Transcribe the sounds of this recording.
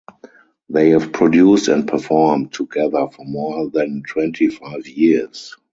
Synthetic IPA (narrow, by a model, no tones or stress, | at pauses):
ðeɪhɛvpʰɹɔdjuːstɛ̃nt̚pʰəfɔmtʰːuɡɛðə˞fɔmɔðɛ̃ntʰwɛ̃ntʰifaɪvjis